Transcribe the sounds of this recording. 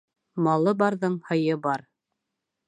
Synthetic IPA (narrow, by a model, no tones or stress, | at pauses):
mɑlˠɤbɑɾðɤɴhɤ̆jɤbɑɾ